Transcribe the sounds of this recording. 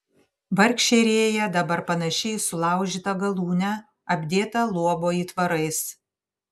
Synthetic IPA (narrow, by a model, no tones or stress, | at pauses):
ʋɐɾʲkʃʲeɾʲeːjɛd̪ɐbɐɾpɐnɐʃʲɛɪsʊlˠɑˑʊʒʲiːt̪ɐɡɐlˠuːnʲɛ | ɐbʲd̪ʲeːt̪ɐlˠuɔboːiːt̪ʋɐɾɐɪs